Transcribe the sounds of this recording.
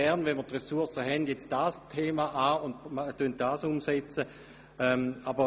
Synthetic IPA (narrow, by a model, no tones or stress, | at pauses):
ɛʁnvɛnmətʁɛsuɐsəɦɛndjɛt͡sd̥astʰeːmaʔaːʊndmtːønt̚d̥aːsʊmsɛt͡sə | ɛmabə